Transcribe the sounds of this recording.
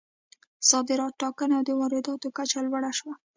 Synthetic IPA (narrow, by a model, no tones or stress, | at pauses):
sɑd̪ɪɾɑt̪̚ʈːɑkənawd̪əwɑɾɪd̪ɑt̪okat͡ʃalwaɽaʃwa